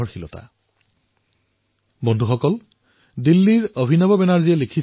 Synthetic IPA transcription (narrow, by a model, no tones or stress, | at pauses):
ɔɹxilɔ̰ta̰ | bɔndʱuxɔkɔl | dilːiɹobʱinɔbɔbɛnaɹziɛlekʰis